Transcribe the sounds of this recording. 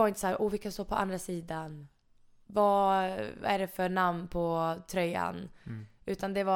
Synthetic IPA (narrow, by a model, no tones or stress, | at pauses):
vaɾɪnt̪əsahæːɾʔɔːvɪlkːanst̪oːpʰɔʔa̰nd̪ɾasiːd̪an | va | æ̰ɖɛfœɳamnnpʰɔt̪ʰɾœjːa̰nʉ̟ːt̪and̪ɛva